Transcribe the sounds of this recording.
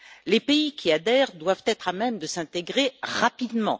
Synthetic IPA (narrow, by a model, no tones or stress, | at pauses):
lepeikʲʰiad̪ɛʁd̪wav̥t̪ɛt̪χamɛmd̪əsɛ̃t̪eɡʁeʁapid̪mɑ̰̃